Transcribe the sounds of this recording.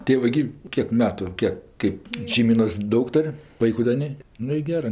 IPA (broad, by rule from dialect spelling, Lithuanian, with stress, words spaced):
tʲeː ˈʋɐ ɡʲɪ ˈkʲiɛk ˈmʲæːtʊ ˈkʲiɛk ˈkɜp ʃʲɛɪˈmʲiːnoːs ˈdɐʊk ˈtoːrʲ ˈʋɐɪkʊ dɐ ˈnʲeː ˈnʊ ɪ ˈɡʲæːrɜ